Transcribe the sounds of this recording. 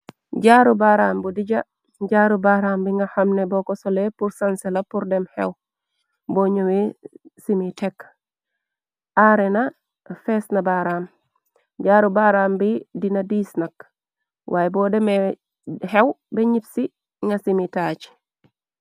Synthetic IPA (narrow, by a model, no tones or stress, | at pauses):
ɟaːɾubaːɾaːmbudiɟa | ɟaːɾubaɾaːmbiŋɡahamnebɔkɔsolepuɾsansɛlapuɾdɛmhḛw | boɲowesimitɛk | ʔaɾena | fesnabaɾaːm | ɟaːɾubaɾaːmbidinadiːsnak | wʔaːjɛbɔːdɛme | hewbeɲipsi | ŋɡasimitaːt͡ʃ